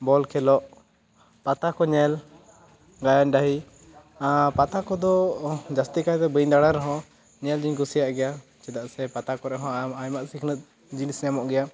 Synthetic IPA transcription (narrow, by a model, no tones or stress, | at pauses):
bɔlkʰɛlɔʔ | pat̪akɔɲɛl | ɡajanɖaɦi | pat̪akɔd̪ɔd͡ʒast̪ikat̪ɛbəjɲd̪aɽaɾɛɦɔ̃ | ɲɛld͡ʒiɲɡusijaʔɡɛja | t͡ʃɛd̪aʔsɛpat̪akɔɾɛʔɦɔ̃ajmaʔsikʰnət̪̚ | d͡ʒinisɲamɔʔɡɛja